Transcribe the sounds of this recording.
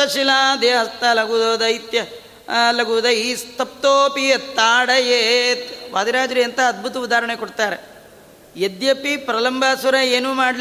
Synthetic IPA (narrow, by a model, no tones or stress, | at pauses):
ɐʃilaːd̪eːɦɐst̪alɐɡud̪oːd̪ɐit̪jɐ | lɐɡuːd̪ɐist̪ʰɐp̚t̪oːpiɐt̪ːaːɽɐjet̪ʋaːd̪iɾaːd͡ʒɾiɐnt̪ɐːd̪̚bʱut̪ɐud̪aːɾɐɳekoɽt̪aːɾe | jed̪jɐpipɾɐlɐmbʱaːsʋɐɾɐeːnuːmaːɽl